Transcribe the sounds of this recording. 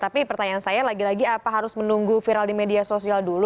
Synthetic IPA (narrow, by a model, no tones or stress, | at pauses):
t̪apipərt̪aɲansajalaɡilaɡiapaɦaɾʊsmənuŋɡufiɾaldimediasosialdulu